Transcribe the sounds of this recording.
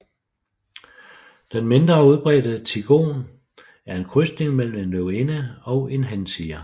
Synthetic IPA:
d̥enme̝nd̥ʁɐuð̞ˠb̥ʁɛ̰ːd̥ət͡sʰiɡ̥o̝̰ːn | æɐe̝nkʰʁysd̥ne̝ŋmel̰m̩e̝nløʊenəɒ̽ʊe̝nɦænsʰiːɐ

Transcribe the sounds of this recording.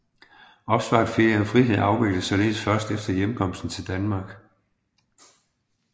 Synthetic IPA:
ɒ̽b̥sʋɑ̈ːd̥feɐjɐɒfʁiɦe̝ð̰ˠɑ̈ʊʋe̝ɡ̥l̥əð̩ˠsɒ̽le̝ːð̩ˠsfɶɐsd̥efd̥ɐjemkʰɒ̽m̰sd̥n̩t͡sʰe̝ld̥ænmɑ̈ːɡ̥

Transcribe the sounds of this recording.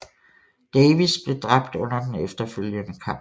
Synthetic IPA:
d̥eːʋisb̥le̝d̥ʁɑ̈b̥̚d̥ɔ̽n̰ɐd̥enefd̥ɐføl̰jənəkʰɑ̈m̰

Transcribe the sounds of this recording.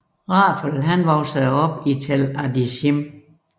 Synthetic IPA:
ʁɑ̈ːfəlɦænʋɒʊsəðˠɒ̽b̥it͡sʰelædisim

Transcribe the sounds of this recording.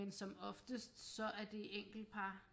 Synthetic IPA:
ensɒ̽mɒ̽fd̥əsd̥sɒ̽ʔæɐd̥e̝eŋ̰ɡ̥l̩d̥̚pʰɑ̈ː

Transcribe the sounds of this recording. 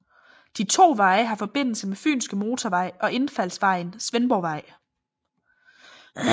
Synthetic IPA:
d̥it͡sʰo̝̰ːʋɑ̈ɪəɦɑ̈fɒ̽b̥e̝n̰l̩səmefy̰ːnsɡ̥əmo̝ːt͡sʰɒʋɑ̈ɪ̰ɒ̽ʔe̝nfæl̰sʋɑ̈ɪ̰nsʋenb̥ɒʊʋɑ̈ɪ̰

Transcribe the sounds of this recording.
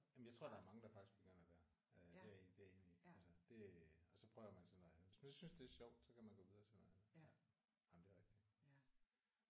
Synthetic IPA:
jæmjɪt͡sʰʁo̝̰d̥ɑ̈æɐmɑ̈ŋəd̥ɑ̈fɑ̈ɡ̥isɡ̥̚b̥eɡ̥øn̰ɐæʋ̥æɐ | d̥eed̥e̝æɐe̝ːnli̥ælsəd̥e̝ɒ̽sɒ̽pʰʁœʊɐmænsɒ̽nˠæʋe̝smænsɒsynsd̥e̝æɐɕɒʊ̰d̥sɒ̽kʰæmænɡ̥ɔ̽ːið̞ˠɐt͡sʰelmææn̩æ | nɑ̈mnd̥e̝ɐʁɛɡ̥d̥i̥

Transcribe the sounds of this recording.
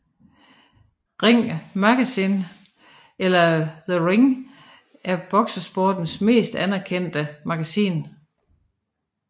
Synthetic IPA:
ʁeŋ̰mɑɡ̥æsin | elɐðəʁeŋ | ʔæɐb̥ɒ̽ɡ̥səsb̥oːd̥n̩sme̝̰ːsd̥ænæɐkʰen̰d̥əmɑ̈ɡ̥æsḭːn

